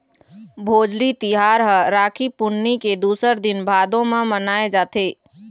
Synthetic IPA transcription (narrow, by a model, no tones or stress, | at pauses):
bʱoːd͡ʒlit̪iɦaːɾɦəɾaːkʰipʊnːiked̪uːsəɾd̪ɪnbʱaːd̪õmẽmənaːed͡ʒaːt̪ʰeː